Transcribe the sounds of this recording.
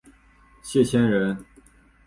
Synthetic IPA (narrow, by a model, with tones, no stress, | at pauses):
ɕjɛ˥˩t͡ɕʰjɛ˥nɻə˧˥n